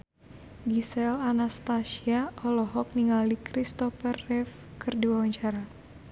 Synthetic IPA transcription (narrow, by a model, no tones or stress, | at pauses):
ɡisɛlanast̪asiaʔɔlɔɦɔk̚niŋalikɾist̪ɔfərːɛf | kɨrdiwawaɲt͡ʃaɾa